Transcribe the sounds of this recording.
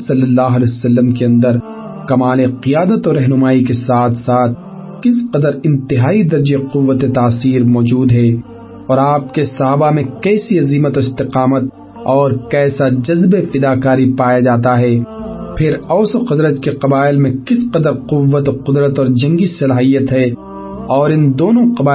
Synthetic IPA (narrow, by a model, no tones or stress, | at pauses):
sɐlːəlːaːɦɐlɛsɐlːəmk̬eɐ̃nd̪əɾ | kɐmaːleqijaːd̪ət̪ɔːɾːɛɦnʊmaːikesaːt̪ʰsaːt̪̚ʰ | kɪsqɐd̪əɾɪ̃nt̪ɪɦaːid̪ɐɾd͡ʒeqʊʋːət̪et̪aːsiːɾmɔːd͡ʒuːd̪ɦɛ | ɔːɾaːp̚kesɐɦaːbamẽkɛːsiɐziːmət̪ɔɪst̪ɪqaːmət̪̚ | ɔːɾkɛːsad͡ʒɐzbefɪd̪aːkaːɾipaːjad͡ʒaːt̪aɦɛːpʰɪɾɔːsoxɐd̪ɾət̪keqɐbaːɪlmẽkɪsqɐd̪əɾqʊʋːət̪oqʊd̪ɾət̪ɔːɾd͡ʒɐ̃ŋɡisɐlaːɦijət̪ɦɛ | ɔːɾɪ̃nd̪oːnõqɐbaː